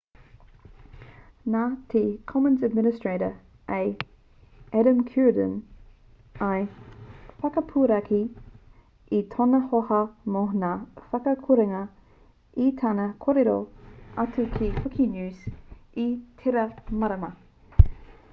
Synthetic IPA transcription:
natʰekʰɔmənzədmɪnɪstɹeɪɾə | ʔeɪ | ɛɾə̃mkʰuɹdə̰̃n | ɐj | fɐkɐpʰuɾɐkʰi | itʰonɐhohɐmonaːfɐkɐkʰuɾeŋɐ | itʰanɐkʰoɾeɾo̰ɐtʰukʰipʰukʰinjʉːsitʰeɾɐmɐɾɐmɐ

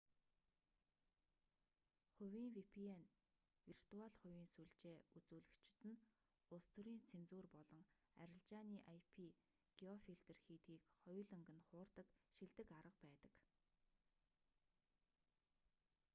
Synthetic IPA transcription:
χʊwʲiːŋwipʰien | wir̥t̪uaɮχʊwʲiːnsuɮt͡ɕeːut͡suːɮɘ̆kt͡ɕɪ̥̆t̪ɘ̆n | ʊst̪ʰŭɾiːnt͡sʰent͡suːrpɔɮɞ̆ŋ | æ̰ɾʲɪ̆ɮt͡ɕaːniːʔajpʰi | ɡ̥iɔfiɮt̪ĕrxiːt̪ɡiːkχɔjɮɵ̆ŋɡɘ̆nχʊːrt̪ə̆kʃiɮt̪ɘ̆kaɾə̆q̚pæːt̪ə̥̆k

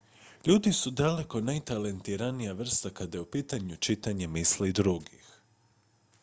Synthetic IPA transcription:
ʎuːd̪isud̪ale̞ko̞najt̪alent̪iɾanijaʋr̩st̪akad̪ajeupiːt̪aɲut͡ʃit̪aɲemislid̪ɾuɡix

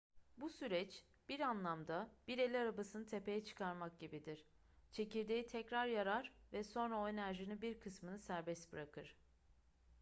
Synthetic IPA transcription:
busyɾɛt͡ʃ | b̥iɾanlˠamd̪ab̥iɾe̞lʲiaɾabasɯnɯt̪ʰe̞pʰe̞jɛt͡ʃʰɯ̥kʰaɾmak̚ɟibid̪iɾ̥ | t͡ʃʰe̞ciɾd̪e̞jit̪ʰɛcɾaɾjaɾaɾvɛso̞nɾaoenæɾʒinibiɾkʰɯsmɯnɯsæɾbɛsbɯɾakʰɯɾ̥

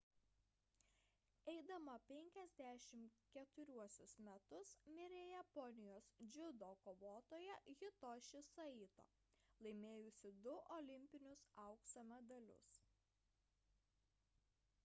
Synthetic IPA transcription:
ɛɪd̪ɐmɐpʲɛŋʲkʲɛzʲd̪ʲæʃʲɪmkʲɛt̪ʊɾʲuɔsʲʊsmʲɛt̪ʊsmʲɪɾʲejɛpɔnʲɪjoːsd͡ʒʲʊd̪oːkoːʋoːt̪oːjɛɣʲɪt̪oːʃʲɪsɐit̪o̰ː | lˠɐɪmʲeːjʊsʲɪd̪ʊʔɔlʲɪmʲpʲɪnʲʊsɐʊkst̪oːmʲɛd̪ɐlʲʊ̰s

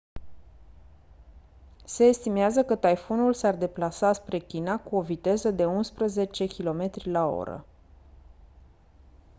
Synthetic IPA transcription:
se̞ːst̪imeazəkət̪ajfonulsard̪e̞plasaspɾe̞kʲinakuo̞vit̪e̞zəd̪e̞unspɾəze̞t͡ʃe̞kʲilo̞me̞t̪ɾʲilao̞̰ɾə̰

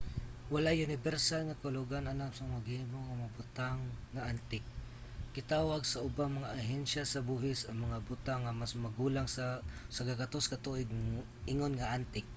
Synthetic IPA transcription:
wɐlajʊnɪbɛɾsalŋɐkʊlʊɡanɐnapsɐmaɡɪmoŋɐmabʊt̪aŋːɐʔant̪ɪk̚ː | ɪt̪aːwaɡsɐʔʊbaŋmɐŋaʔaɦɛnʃasɐbuːɦɪsɐŋmɐŋabʊt̪aŋːɐmasmɐɡuːlaŋssɐɡakɐt̪oskɐt̪uʔɪɡ̚ | ʔɪŋonŋɐʔant̪ɪk̚

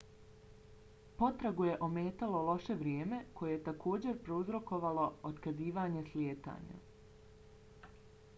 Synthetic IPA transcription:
po̞t̪ɾaɡuje̞ʔo̞meːt̪alo̞lˠo̞ʃe̞ʋɾjeːme̞kʰo̞jejet̪akʰo̞ːd͡ʑe̞ɾpɾouzɾo̞ko̞ʋaloot̪kaziːʋaːɲe̞sljeːt̪a̰ːɲa̰

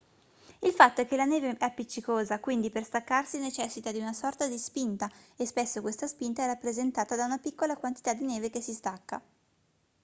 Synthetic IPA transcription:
ilfat̪ːoɛkːelaneːveʔɛpːit͡ʃːikoːzakwind̪iperst̪akːarsinet͡ʃɛsːit̪ad̪iunasɔrt̪ad̪ispint̪aespesːokwest̪aspint̪aɛrapːɾezent̪aːt̪ad̪aunapikːolakwant̪i̥t̪ad̪ineːvekesːist̪akːa̰

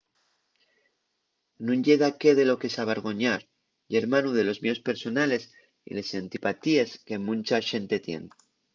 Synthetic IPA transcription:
nũɲɟ͡ʝeðake̞ðe̞lo̞kesaβeɾɣo̞ɲaɾ | ʝe̞ɾmanuðe̞lo̞zmeo̞spe̞ɾso̞nale̞s | ḭle̞sant̪ipat̪ieske̞mũnt͡ʃaʃe̞nt̪e̞t̪je̞̰n

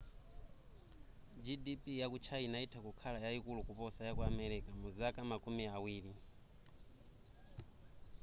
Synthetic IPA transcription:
d͡ʒidipʼijakut͡ʃʰainaitʰakukʰalajaikulukupɔsajakuamɛɾɛkamuzakamakumiawiːli

